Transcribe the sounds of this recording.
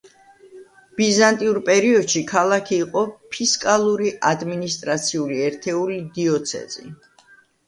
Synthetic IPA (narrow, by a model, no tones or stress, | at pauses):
b̥izant̪ʼiuɾpʼɛɾiɔd̪ʃikʰalˠakʰiːqʼɔpʰiskʼalˠuɾiʔad̪minist̪ʼɾat̪sʰiuliɛɾt̪ʰɛulid̪iɔt̪sʰɛ̰zḭ